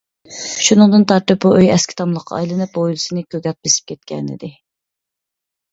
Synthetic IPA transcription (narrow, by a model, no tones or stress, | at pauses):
ʃunɨŋd̪ɨnt̪ʰɑɾt̪ɨp̚buʔøjɛskʲi̥t̪ʰɑmlˠəqʰɑ̰jlˠɨnɨp̚bojlˠɨsɨnɨkʲøɡʲɛt̪̚besɪ̥p̚kʲʰɛt̪̚kʲɛ̰nɪ̰d̪ɪ